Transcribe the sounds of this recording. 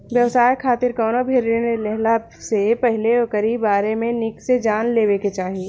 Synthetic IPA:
ʋjɐʋsaːjkʰaːt̪ɪɾkɔːnobʱeːɾenelɛɦla | sepɛɦleɔkəɾiːbaːɾemẽnɪksed͡ʒaːnleːʋeket͡ʃaːɦie

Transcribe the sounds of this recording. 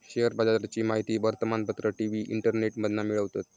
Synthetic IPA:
ɕeɦəɾbad͡zad̪ɾat͡ɕiːmaɦit̪iːʋəɾt̪əmanpət̪ɾəʈiʋiʔḭɳʈəɾneʈməd̪ʱnamiɭəʋt̪at̪

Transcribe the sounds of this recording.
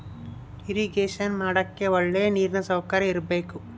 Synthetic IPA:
iɾiɡeːʃɐnmaːɽɐkːe̞oɭːeːniːɾnɐsɐwkɐɾɐiɾɐbe̞ːku

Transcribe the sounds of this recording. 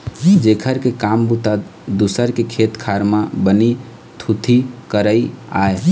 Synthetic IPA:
d͡ʒekʰəɾkekambut̪a | d̪usəɾkekʰet̪kʰaɾmabəni | t̪ʰut̪ʰikəɾəia̰e

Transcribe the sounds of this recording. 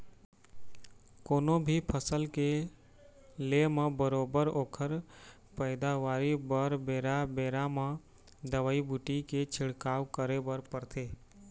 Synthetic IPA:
koːnõbʱipʰəsəlke | lemãbəɾoːbəɾoːkʰəɾ | pəɪd̪aʋaːɾibəɾbeːɾabeːɾamã | d̪əʋaːibuʈiket͡ʃʰɪɽkaːwkəɾebəɾpəɾt̪ʰeː

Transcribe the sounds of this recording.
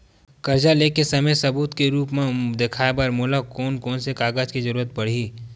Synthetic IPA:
kɐɾd͡ʒaleːkesɐməjsɐbuːt̪keɾuːpmẽd̪ekʰaːebəɾmoːlakɔːnkɔːnsekaːɡəd͡ʒkizəɾuːɾət̪̚pɐɽ̤i

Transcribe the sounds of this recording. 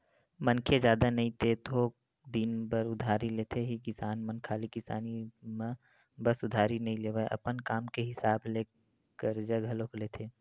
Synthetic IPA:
mɐnkʰezjaːd̪anɐɦĩt̪et̪ʰoː | d̪iːnbəɾʊd̪ʱaːɾileːt̪ʰeɦikɪsaːnmɐnkʰaːlikɪsa̰ːnimã | bɐsʊd̪ʱaːɾinɐɦĩleːʋəʔɐ̰pənkaːmkeɦɪsaːbleː | kəɾd͡ʒəɡʱɐlokleːt̪ʰeː

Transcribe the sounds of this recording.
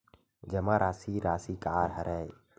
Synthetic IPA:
d͡ʒɐmaɾʔaːsiɾaːsikaːɾɦɐɾʔɛːj

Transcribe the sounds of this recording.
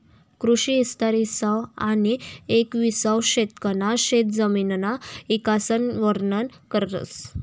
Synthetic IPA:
kɾuɕiːst̪aɾisawaniekʋisawɕet̪kənaɕet̪̚d͡zəminnaikasənʋəɾnənkəɾt̪ə̰s

